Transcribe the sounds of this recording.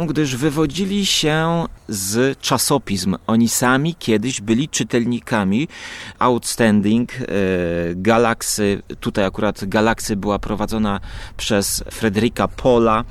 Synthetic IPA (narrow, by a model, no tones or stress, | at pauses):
ɡd̪ɘʐvɘvɔd͡ʑilʲiɕɛzt͡ʂasɔpʲizmɔɲisamʲikʲʰɛd̪ɘʑbɘlʲit͡ʂɘt̪ɛlɲikamʲiawt̪st̪ɛnd̪iŋk | ɡalaksɘt̪ut̪ajakuɾat̪ɡalaksʲjabɘwapɾɔvad̪zɔnapʂɛsfɾɛd̪ɛɾʲikapʰɔla